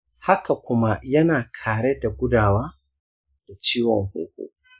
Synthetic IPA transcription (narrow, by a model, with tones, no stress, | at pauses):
ha˦ka˨kʷʊ˦ma˦jɐ˦naː˨kʰaː˨ɾe˦da˨ɡʷʊ˦daː˨waː˦ | d̥a˨t͡ʃiː˦wɔ˨ŋhʊ̰˦kʷṵ˦